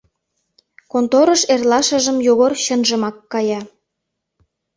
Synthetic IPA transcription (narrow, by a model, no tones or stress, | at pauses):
kont̪oɾə̆ʃerlɑʃə̆ʒə̆mjoɣorɕə̆nʒə̆mɑkːɑjɑ